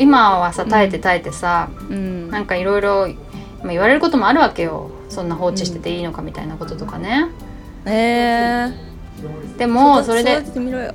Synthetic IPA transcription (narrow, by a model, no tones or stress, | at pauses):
imaβasat̪ae̞t̪e̞t̪ae̞t̪e̞sa | nãŋkaiɾo̞iɾo̞ | maiβaɾe̞ɾɯ̟ko̞t̪o̞mo̞aɾɯ̟βake̞jo̞̰ | sõ̞nːaɦo̞ːt͡ɕi̥ɕi̥t̪e̞t̪e̞iːno̞kamʲit̪a̰inako̞t̪o̞t̪o̞kane̞ | d̪̥e̞mo̞so̞ɾe̞d̪e̞